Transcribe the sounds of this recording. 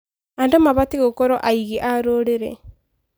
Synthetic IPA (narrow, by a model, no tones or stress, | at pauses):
andomaβatiɣokɔɾɔʔaiɣiʔaɾoːɾeɾɛ̰